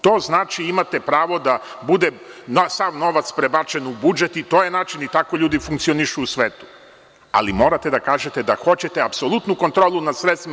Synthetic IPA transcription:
t̪o̞ːznaːt͡ʃiimat̪epɾaːʋo̞d̪abud̪ensaʋno̞ʋat̪spɾebat͡ʃe̞nubud͡ʒet̪it̪o̞ːjenaːt͡ʃinit̪ako̞ʎuːd̪ifuŋk̚t̪sioniʃuːsʋeːt̪u̥ | a̰limo̞ːɾat̪e̞d̪akaːʒet̪ed̪axo̞t͡ɕe̞t̪eapso̞lˠut̪nuko̞nt̪ɾoːlunasɾet̪st̪im

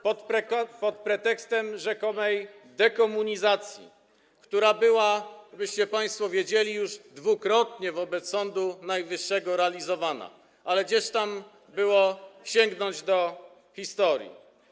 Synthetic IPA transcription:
pɔt̪pɾpɔt̪̚pɾɛt̪ɛkst̪ɛmʐɛkɔmɛj | d̪ɛkɔmuɲizat̪sʲjḭ | kt̪uɾabɘwabɘɕt͡ɕɛpaj̃st̪fɔvʲjed͡ʑelʲijuʐd̪vukɾɔt̪ɲɛvɔbɛt̪ssːɔnd̪unajvɘʂːɛɡɔɾɛalʲizɔvana̰ | ʔalɛɡd͡ʑɛʂt̪am | bɘwɔɕɛŋɡnɔɲd͡ʑd̪ɔ | xʲist̪ɔɾʲjḭ

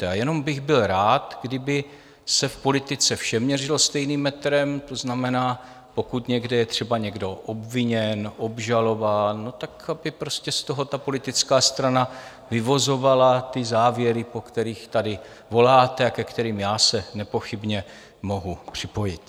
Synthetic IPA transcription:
ajɛno̞mbɪɣbɪlɾaːt̪ɡdɪbɪ | sɛfpo̞lɪt̪ɪt͡sɛfʃɛmɲɛrɪlost̪ɛjniːmːɛt̪ɾɛmt̪o̞znamɛnaː | po̞kut̪ɲɛɡdɛjɛt̪r̝̥ɛbaɲɛɡdo̞ʔo̞bvɪɲɛnʔo̞bʒalo̞vaːnːot̪akabɪpɾo̞scɛst̪o̞ɦo̞t̪apo̞lɪt̪ɪt͡skaːst̪ɾana | vɪvo̞zo̞valat̪ɪzaːvjɛɾɪpo̞kt̪ɛɾiːxt̪adɪ | vo̞laːt̪ɛakɛkt̪ɛɾiːmjaːsɛnɛpo̞xɪbɲɛ | mo̞ɦupr̥ɪpo̞jɪt̪

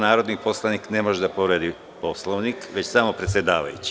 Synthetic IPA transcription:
naːɾo̞d̪nipo̞slˠanikne̞moʒed̪apoɾeːd̪i | po̞slˠoʋnikʋe̞t͡ɕsamo̞pɾe̞t̪sʲje̞d̪aːʋa̰jṵt͡ɕi̥

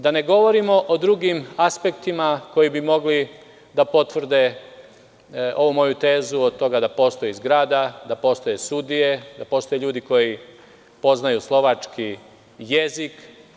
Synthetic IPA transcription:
d̪ane̞ɡo̞ʋo̞ɾimo̞ʔod̪ɾuɡimaspe̞kt̪imako̞jibimo̞ɡli | d̪apo̞t̪ʋr̩d̪e̞ | o̞ʋumo̞jut̪e̞ːzuod̪t̪o̞ɡad̪apo̞ːst̪o̞jizɡɾaːd̪ad̪apo̞ːst̪o̞jesud̪ije̞d̪apo̞ːst̪o̞jeʎuːd̪iko̞ji | po̞znajuslˠo̞ʋat͡ʃki | jezik

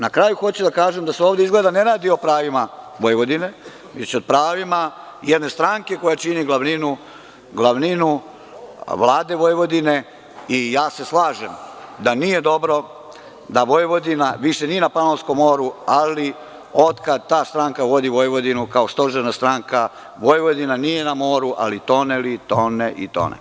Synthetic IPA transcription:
nakɾajuxo̞t͡ɕud̪akaːʒemd̪aseoːʋd̪eizɡled̪aneɾaːd̪iopɾaːʋima | ʋojʋo̞d̪ine̞ | ʋet͡ɕod̪̚pɾaːʋima | jed̪ne̞st̪ɾaːŋke̞ko̞jat͡ʃiniɡlˠaʋninu | ɡlˠaʋninu | ʋlˠaːd̪e̞ʋojʋo̞d̪ine̞ | ijaːse̞slˠaːʒemd̪anije̞d̪o̞bɾo̞ | d̪aʋo̞jʋo̞d̪inaʋiʃenienapanolsko̞mːo̞ːɾuali | o̞d̪kad̪̚t̪aːst̪ɾaːŋkaʋo̞d̪iʋo̞jʋo̞d̪inukaost̪oʒenast̪ɾaːŋka | ʋo̞jʋo̞d̪inanije̞namo̞ːɾuʔa̰lit̪o̞nelit̪oneʔḭt̪o̰nḛ

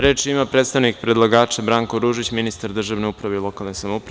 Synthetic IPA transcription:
ɾe̞ːt͡ʃimapɾet̪st̪aʋnik̚pɾed̪lˠaɡaːt͡ʃabɾaːŋkoɾuːʒit͡ɕminist̪aɾd̪r̩ʒaʋne̞upɾaʋeilo̞kalˠnesamoupɾ

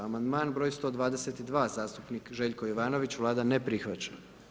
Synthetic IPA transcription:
amand̪maːnbɾojst̪o̞d̪ʋaːd̪e̞set̪id̪ʋaːzaːst̪upnikʒe̞ːʎkojoʋaːno̞ʋit͡ɕʋlˠaːd̪anepɾixʋat͡ɕa

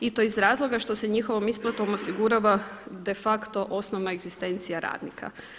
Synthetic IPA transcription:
it̪oizɾaːzlˠo̞ɡaʃt̪o̞seɲixo̞ʋo̞misplˠat̪omo̞siɡuɾaʋad̪e̞fakt̪o̞ʔo̞snoʋnaeɡzist̪e̞nt̪sijaɾa̰ːd̪nḭka̰

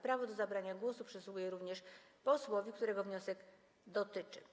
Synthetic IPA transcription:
pɾavɔd̪ɔzabɾaɲaɡwɔsupʂɛswuɡujɛɾuvɲɛʂpɔswɔvʲikt̪uɾɛɡɔvɲɔsɛɡ | d̪ɔt̪ɘt͡ʂɘ̰

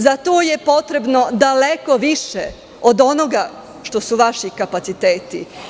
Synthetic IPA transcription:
zat̪oːje̞po̞t̪ɾe̞bno̞d̪aleko̞ʋiʃe | od̪o̞noɡa | ʃt̪o̞suʋaʃikapat̪sit̪eːt̪ḭ

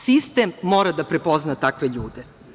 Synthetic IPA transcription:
sist̪e̞mːo̞ːɾad̪apɾepo̞znat̪akʋe̞ʎuːd̪e̞

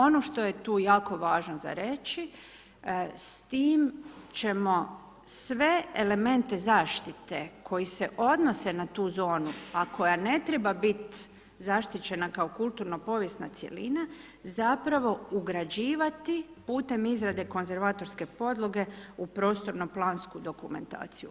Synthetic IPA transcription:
o̞noʃt̪o̞je̞t̪uːjaːko̞ʋaːʒnoza̰ɾe̞t͡ʃi | st̪iːmt͡ʃe̞mo̞ | sʋe̞ele̞me̞nt̪e̞zaːʃt̪it̪ekʰo̞jise̞ʔo̞d̪no̞se̞nat̪uːzo̞ːnuakʰo̞jane̞t̪ɾebabit̪ | zaʃt̪it͡ɕe̞nakaokulˠt̪uɾno̞po̞ʋje̞st̪nat̪sje̞̰lina | zapɾaʋo̞uɡɾad͡ʑiːʋat̪i | puːt̪e̞mizɾad̪e̞ko̞nze̞ɾʋat̪o̞ɾske̞po̞d̪lˠo̞ɡe̞upɾo̞ːst̪o̞ɾnoplˠaːnskud̪o̞kume̞̰nt̪a̰ːt̪siju

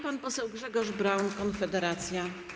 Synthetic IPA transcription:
panpɔsɛwɡʐɛɡɔʐbɾawnkɔnfɛd̪ɛɾat̪sʲja

